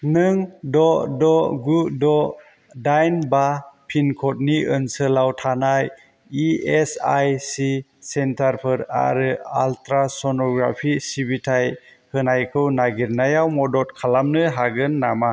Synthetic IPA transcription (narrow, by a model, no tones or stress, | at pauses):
nɯŋdɔdɔɡudɔ | dajnbapʰinkʰɔt̚niʔɯnsəlawtʰanaj | iesajsisentʰaɾpʰɯɾa̰ɾɯa̰ltʰɾasɔnɔɡɾa̰pʰisibitʰaj | hɯnajkʰɯwnaɡiɾnajawmɔdɔt̚kʰalamnɯɦaɡɯnːama